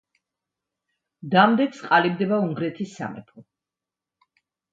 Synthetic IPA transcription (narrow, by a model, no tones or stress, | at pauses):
d̪amd̪ɛkʰsqʼalibd̪ɛbauŋɡɾɛt̪ʰisːa̰mɛ̰pʰɔ